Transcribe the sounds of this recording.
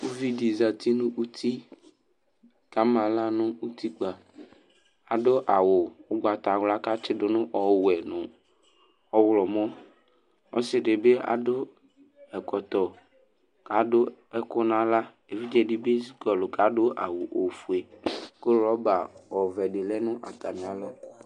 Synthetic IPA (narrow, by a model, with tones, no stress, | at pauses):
u˦vi˦di˨za˨t̪i˦nʊ̃˦ʔu˦t̪ʰi˦ | ka˦mã˨la˦nʊ̃˦u˦t̪ʰi˦k͡pa˨ | a˨dʊ˦ʔa˨wʊ˨ʊ˨ɡ͡ba˨t̪a˨wla˦ka˦t͡ʃɪ˦dʊ˨nʊ̃˦ʔɔ˨wɛ˨nʊ̃˨ | ɔ˨˦wlɔ˨mɔ˦ | ɔ̰˦sɪ˨ɖe˨be˦a̰˨dʊ˦ | ɛ˨kɔ˨t̪ɔ˨ | ka˨˦dʊ˦ɛ˦kʊ˦nã˦la˦ | e˨vi˦d͡ʒɛ˦ɖi˦be˦zi˦kɔ˨lʊ˨ka˨˦ɖo˦ʔa˨wo˨ʔo˨fu˨e˨ko˦lɔ˦ba˨wɔ˨vɛ˨ɖɪ˨lɛ˦nʊ̃˦ʔa˨t̪a˨mĩ˨a˨lɔ˦